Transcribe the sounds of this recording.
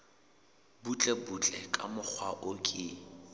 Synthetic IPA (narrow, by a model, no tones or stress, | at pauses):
but͡ɬʼɛbut͡ɬʼɛkʼamʊk͡xʰwaʔʊkʼɪ